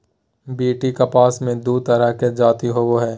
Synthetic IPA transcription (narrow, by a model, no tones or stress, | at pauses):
biːʈikɐpaːsmẽd̪uːt̪ɐɾəɦked͡ʒaːt̪iɦoʋoɦɛː